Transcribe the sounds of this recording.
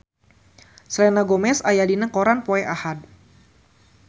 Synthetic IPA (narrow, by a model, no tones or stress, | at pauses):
slɛnaɡɔmɛsajadinəkɔɾanpɔɛʔahad